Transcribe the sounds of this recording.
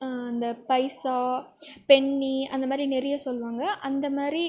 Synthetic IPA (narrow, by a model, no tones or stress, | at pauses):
ɐnd̪ɐpɐɪsaːpɛɳːiɐnd̪ɐmaːd̪ɾinɛɾɪjasɔlːʋaːŋɡɐʔɐnd̪ɐmaːd̪ɾi